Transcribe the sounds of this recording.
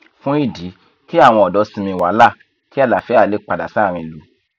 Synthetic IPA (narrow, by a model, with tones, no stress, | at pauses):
fũ˦i˦˨di˨˦ | ki˦a˦˨w̃ɔ̃˧ɔ˨dɔ˨˦sĩ˧mĩ˧wa˨˦la˦˨ | ki˦a˦˨la˨fɛ˨˦a˦˨le˨˦k͡pa˨da˨sa˨˦˨ɾ̃ĩ˧lu˨˧